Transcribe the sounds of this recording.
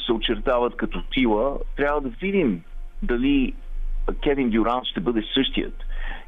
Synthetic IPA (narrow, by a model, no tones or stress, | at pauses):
sɛot͡ʃɛɾt̪avət̪kɐt̪ɔt̪ilˠət̪ɾʲavəd̪ɐvid̪imd̪ɐli | kʲɛvind̪ʊɾanʃt̪ɛbɤd̪ɛsɤʃt̪ijə̰t̪